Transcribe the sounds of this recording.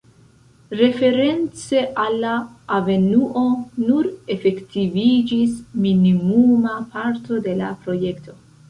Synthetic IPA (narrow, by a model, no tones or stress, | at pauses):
ɾe̞fe̞ɾe̞nt͡se̞ʔalːaːve̞nuʔo̞nuɾe̞fe̞ktivid͡ʒisminimumapaɾto̞de̞lapɾo̞je̞ktʰo̞